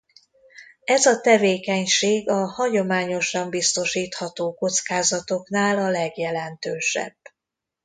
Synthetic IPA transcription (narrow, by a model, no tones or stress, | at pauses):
ɛzɒt̪ɛveːkɛɲʃeːɡɒhɒɟo̞maːɲo̞ʃɒmbist̪o̞ʃiːt̪hɒt̪oːko̞t̪skaːzɒt̪o̞knaːlɒlɛɡjɛlɛnt̪øːʃɛ̰b̥ː